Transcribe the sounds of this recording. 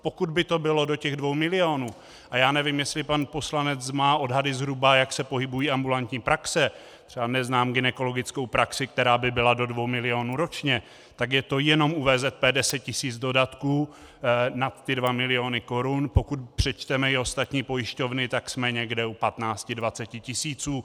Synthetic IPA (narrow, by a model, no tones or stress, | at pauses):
po̞kud̪bɪt̪o̞bɪlo̞do̞cɛɣdvo̞wmɪlɪoːnuː | ʔajaːnɛvɪmjɛslɪpanpo̞slanɛt͡smaːʔo̞dɦadɪzɦɾubajaksɛpo̞ɦɪbujiːambulant̪ɲiːpɾaksɛ | t̪r̥ɛbanɛznaːmɡɪnɛko̞lo̞ɡɪt͡sko̞wpɾaksɪk̚t̪ɛɾaːbɪbɪlado̞dvo̞wmɪlɪo̞ːnuːɾo̞t͡ʃɲɛ | t̪akjɛt̪o̞jɛno̞muvɛːzɛt̪̚pɛːdɛsɛt̪̚cɪsiːd͡zdo̞dat̪kuː | nat̪ːɪdvamɪlɪo̞nɪko̞ɾunpo̞kut̪pr̥ɛt͡ʃt̪ɛmɛjɪo̞st̪at̪ɲiːpo̞jɪʃco̞vnɪt̪aksmɛɲɛɡdɛupat̪naːt͡scɪdvat͡sɛcɪcɪsiːt͡suː